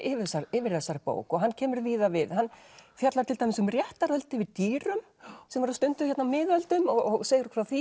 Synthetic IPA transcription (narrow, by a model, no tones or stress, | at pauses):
ɪːvɪsaɾɪːvɪɾθɛsːaɾpo̰ːwkɔɣɦanːcʰɛːmʏɾviːðavɪðhanːfjat̪laɾ̥t̪ʰɪlt̪ajmɛsʏmrjɛht̪aɾœlt̪ɪvɪðt̪iːɾʏm | sɛmvaɾast̪ʏnt̪ʏçɛt̪namɪːðœlt̪ʏmɔɔɣseːjɾʏ̥kfɾawθi